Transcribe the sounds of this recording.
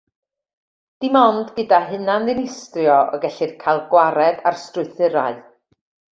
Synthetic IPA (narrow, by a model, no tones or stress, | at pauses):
d̥imɔndɡədaɦɨnanðɪnɪstrjɔʔɔ̰ɡɛɬɪrkʰajlˠɡwaɾɛda̰rstrʊɨθɪɾa̰ɨ